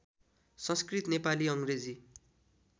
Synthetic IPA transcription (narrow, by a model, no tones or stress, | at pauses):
sʌ̃nskrit̪nepaliʌŋred͡zi